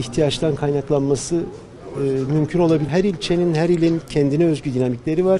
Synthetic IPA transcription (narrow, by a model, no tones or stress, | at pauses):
içht̪ʰijat͡ʃt̪ankʰajnaklˠanmasɯː | mymcʰyno̞lˠabiɦæɾilʲt͡ʃʰe̞ninhæɾilʲincʰɛnd̪inɛøzɟyd̪inamiclʲe̞ɾivaɾ̥